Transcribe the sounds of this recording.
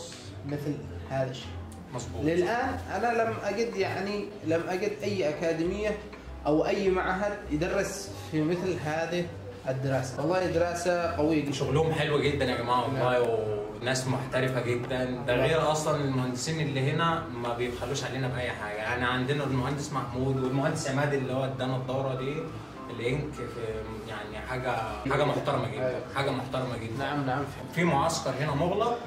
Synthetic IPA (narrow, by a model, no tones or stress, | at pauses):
mɪθl | haːðæʃːe̥ː | mɑsˤbuːlɪlʔaːnʔænælæmːʔæɡɪd̪jaʕni | læmːʔæɡɪd̪ʔæjːʔækaːd̪ɪmɪjːa | ʔawʔæjːmaʕɦad̪jɪd̪ɑrˤːɪs | fimɪθlɦaːði | ʔɪd̪ːɪɾɑːsḁwɑlˤːɑːhid̪ɪɾˤɑːsaqæwɪjːaɡɪʃoɣluhʊmħelwæɡed̪ːænʔamimaɑw | næːsmoħt̪æɾɪfæɡed̪ːænd̪æɣeːɾæʔɑsˤlɑnelmohænd̪esiːnʔelːiɦenæ | mæbejed̪xæluːʃʕaleːnæbʔæjːħaːɡæjaʕniʕand̪enæelmohænd̪esmaħmuːd̪welmohænd̪esʕemæːd̪elːihowːæd̪ːænæd̪ˤːɑwɾˤɑd̪iː | elʔeŋkf | jaʕniħaːɡæaːɡæmoħt̪ɑɾˤɑmæɡedːænħaːɡæmoħt̪ɑɾˤɑmæɡed̪ːaʕamlʕam | fiːmoʕɑskɑɾˤhenæmoɣlɑ